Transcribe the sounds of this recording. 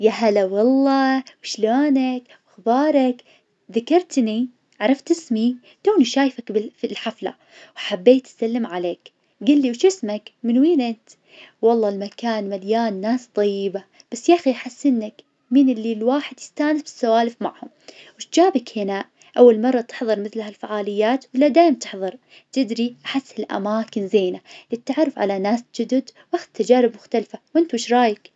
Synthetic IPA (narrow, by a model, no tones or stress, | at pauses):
jaɦalawɑlˤːɑːwɪʃlaːnak | wɪxbɑːɾˤɑk | ðakɑɾˤt̪ni | ʕɑɾˤɑft̪ɪsmi | t̪oːniʃaːjfakbɪfilħafla̰ | wħabːeːt̪salːɪmʕaleːk | ɡɪlːiwʃɪsmakmɪnwiːnʔɪnt̪ | wɑlˤːɑːlmakaːnmaljaːnːaːst̪ˤɑjːɪba | b̥asːjaːxiʔħasːɪnːak | miːnɪlːilwaːħɪd̪jɪst̪aːnɪsbɪ̥sːawaːlɪfma̰ʕhʊmwɪt̪d͡ʒaːbɪkhɪnaʔ | ʔawːalmɑrˤːɑt̪ɪ̥ħðˤɨɾˤmɪθlhalfaʕaːlɪjːaːt̪wɪlːad̪aːjɪmt̪ɪħðˤɑɾˤ | t̪ɪd̪ɾiʔaħɪsːɪlʔa̰maːkɪnzeːnalit̪ːaʕaɾˤːɪfʕa̰lanaːsd͡ʒʊd̪ʊd̪wʔaxt̪ʰːad͡ʒaːɾɪbmʊxt̪alfawʔɪnt̪wɪʃɾˤɑːjak